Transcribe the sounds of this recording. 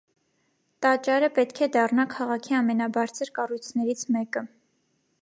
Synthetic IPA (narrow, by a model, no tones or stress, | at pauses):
t̪ɑt͡ʃɑɾəpɛt̪kʰɛd̪ɑrnɑkʰɑʁɑkʰiɑmɛnɑbɑɾt͡sʰəɾkɑrujt͡sʰnɛɾit͡sʰmɛkə